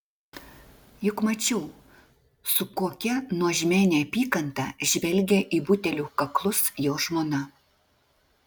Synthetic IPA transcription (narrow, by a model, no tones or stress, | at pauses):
jʊkmɐt͡ʃʲɛʊ | sʊkoːkʲɛnuɔʒʲmʲæːnʲɛɐpʲiːkɐnt̪ɑ̰ʒʲʋʲɛlʲɡʲeʔiːbʊt̪ʲɛlʲuːkɐklˠʊsjoːʒmoːnɐ